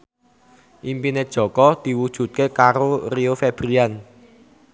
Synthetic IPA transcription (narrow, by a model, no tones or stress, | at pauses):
ʔimpined̥ʒ̥ɔ̤kɔd̪̥i̤wud̥ʒ̥ṳt̪̚kekaɾoriofɛb̥ɾian